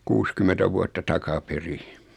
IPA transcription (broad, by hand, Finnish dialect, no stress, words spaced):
kuːskymetæ ʋuɑtːɑ tɑkɑperi